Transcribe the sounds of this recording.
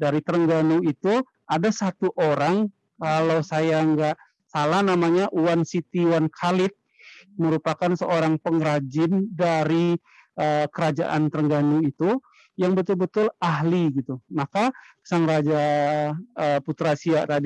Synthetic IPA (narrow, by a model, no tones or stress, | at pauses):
daɾit̪əɾəŋɡanuit̪u | adasat̪uʔoɾaŋ | kalawsajaŋɡaʔ | salahnamaɲaʔuwansit̪iwankʰalɪt̪̚ | məɾupakansəoɾaŋpəŋɾad͡ʒɪndaɾi | ʔəkəɾad͡ʒa̰ʔa̰nt̪əɾəŋɡanuit̪u | jaŋbət̪ʊlbət̪ʊlaɦliɡit̪umakasaŋɾad͡ʒa | əput̪ɾasiaʔt̪adi